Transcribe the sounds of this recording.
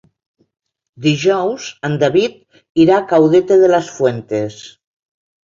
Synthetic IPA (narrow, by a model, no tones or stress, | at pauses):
d̪iʒɔwzand̪aβit̪̚ | iɾakawðet̪eðelasfwent̪es